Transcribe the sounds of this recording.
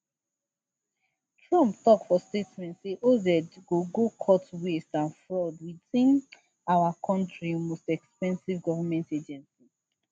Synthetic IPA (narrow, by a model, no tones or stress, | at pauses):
tʰɹɔ̃mptɔktfɔstetmɛ̃ntseʔodɛdɡoɡokʰɔtwestãnfɹɔdwitĩn | awakʰɔ̃ntɹiomostɛkspɛ̃nsivɡɔvamɛ̃nted͡ʒɛ̃nsi